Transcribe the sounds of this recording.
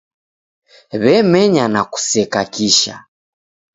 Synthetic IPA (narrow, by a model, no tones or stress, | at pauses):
βɛmɛɲanaku̥sɛkakiʃa̰